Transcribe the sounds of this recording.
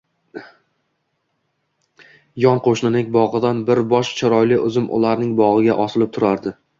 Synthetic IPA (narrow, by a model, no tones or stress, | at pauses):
jɒnqʰoʃnɪnɪŋʲbɒʁɨd̪anbɪɾbɒʃt͡ʃʰɪɾɒjlɪʔʊzɪmʔʊ̰laɾnɪŋbɒʁɨɡʲaʔɒsɪlɪp̚t̪ʰʊɾaɾd̪ɪ